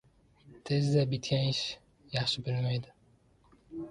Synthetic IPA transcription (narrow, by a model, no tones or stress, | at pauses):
t̪ʰezd̪æbit̪kʲæniʃ | jɑχʃɯbilmæjd̪ɪ